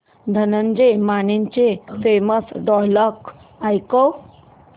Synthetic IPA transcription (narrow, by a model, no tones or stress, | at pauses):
d̪ʱənəɲd͡ʑemaniɲt͡ɕefeməsɖɔjlɔk | ajko